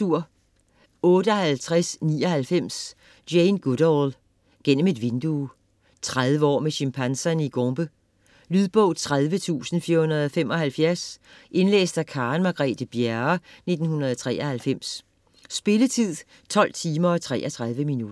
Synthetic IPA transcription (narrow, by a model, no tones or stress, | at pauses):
uɐ̰ | ɔ̽ːɾəɒhælt͡sʰʁasniːɒ̽hælfem̰s | d̥jeɪnɡ̥uɾ̥ɒl | ɡ̥en̰m̩e̝d̥ʋe̝nd̥u | t͡sʰʁað̞ˠʋəɒ̰ːmeɕimpʰænsɐniɡ̥oŋb̥ə | lyðˠb̥ɔʊ̰t͡sʰʁað̞ˠʋət͡sʰṵːsn̩fiːɐhunɐð̞ˠɒ̽femɒ̽hælfjæɐsʔe̝nlḛːsd̥ækʰɑ̈ːnmɑ̈ɡ̥ʁɛ̰d̥əb̥jæɐne̝d̥n̩hunɐð̞ˠɒt͡sʰʁɛ̰ːʔɐhælfem̰sː | b̥e̝lət͡sʰið̰ˠ | t͡sʰɒ̽l̰t͡sʰiːmɐɒ̽t͡sʰʁɛ̰ːʔɐt͡sʰʁað̞ˠʋəminudɐ